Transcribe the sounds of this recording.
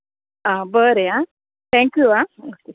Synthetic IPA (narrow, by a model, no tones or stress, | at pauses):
aːbəɾea | t̪ʰɛ̃ŋkjuao